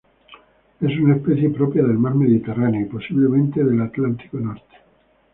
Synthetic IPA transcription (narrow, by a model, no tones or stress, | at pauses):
e̞sunaespeθjepɾopjaðe̞lmaɾme̞ðit̪eraneoiposiβlemẽnt̪eðelat̪lant̪i̥konoɾt̪e̥